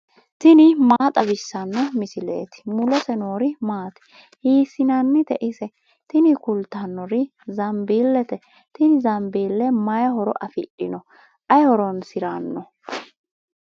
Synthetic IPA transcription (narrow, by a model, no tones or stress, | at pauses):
t̪ɪnɪmaːt̪ʼɐbɪsːɐnːɔmɪsɪlḛːt̪ɪ̥mʊlɛsɛno̞ːɾɪmaːt̪ɛ̥ | hiːsɪnɐnːɪt̪ɛʔɪsɛ | t̪ɪnɪkʊlt̪ɐnːɔɾɪ | zɐmbiːlːɛt̪ɛ | t̪ɪnɪzɐmbiːlːɛmɐjɐɦɔɾɔ̰ʔɐfɪɗɪnɔ | ʔɐjhɔɾɔnsɪɾanːɔ